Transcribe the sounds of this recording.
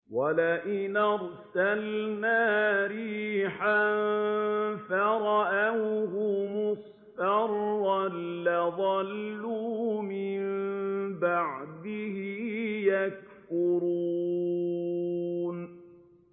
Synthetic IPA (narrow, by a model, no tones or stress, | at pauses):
walaʔɪnɑɾˤsalnaːɾiːħan | faɾˤɑʔawɦʊmʊs | tɑɾˤːalːaðˤɑlːumɪmbaʕd̪ɪhɪjak̚ | fʊɾuː | n